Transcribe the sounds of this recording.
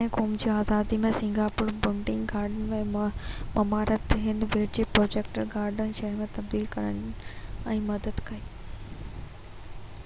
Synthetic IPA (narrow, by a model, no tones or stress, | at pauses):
ẽkoːmd͡ʑiːaːzaːd̪imẽsɪ̃ŋɡaːpʊːɾbʊɳɖɪ̃ŋɡɡaːɾɖənmẽmɐmaːɾət̪ɦɪ̃nd̪ʋeːɽd͡ʑiːpɾoːd͡ʑeːk̚ʈəɾɡaːɾɖənʃɐɦɾmẽt̪ɐb̚d̪iːlkɐɾəñɛ̃ːmɐd̪əd̪kɐiː